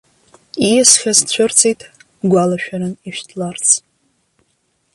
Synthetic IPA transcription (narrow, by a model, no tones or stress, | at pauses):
ijasχʲast͡ɕʷʰʊrt͡sʰejtʰʼ | ɡʷalaʃᶣaɾɨniʃᶣtʰlart͡sʰ